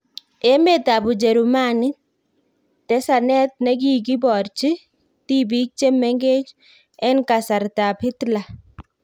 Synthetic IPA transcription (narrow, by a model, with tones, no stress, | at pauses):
e˦me˦˨ta˨bu˨d͡ʒɛ˨ɾu˨ma˦nɪ˦ | tɛ˦sa˨nɛ˦t̪̚nɛ˦k̬i˦k̬i˦bɔ˨ɾt͡ʃi˦ | ti˦bi˦k̚t͡ʃe˦mɛ˦ŋɡe˦t͡ʃ | ɛ˦nka˨sa˨ɾta˨pɪ˦tla˨